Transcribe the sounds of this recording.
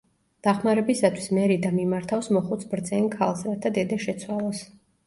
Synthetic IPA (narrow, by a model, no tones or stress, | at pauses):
d̪̥aχmaɾɛbisat̪ʰwismɛɾid̪amimaɾt̪ʰafsmɔχut̪sʰbɾd̪zɛnkʰalˠsɾat̪ʰad̪ɛd̪aʃɛt̪sʰwalˠɔs